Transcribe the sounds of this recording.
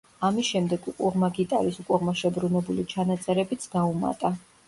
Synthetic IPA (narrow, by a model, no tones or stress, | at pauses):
amisʃɛmd̪ɛɡukʼuʁmaɡit̪ʼa̰ɾisukʼuʁmaʃɛbɾunɛbulit͡ʃʰanat̪sʼɛɾɛbit̪sʰɡauma̰t̪ʼa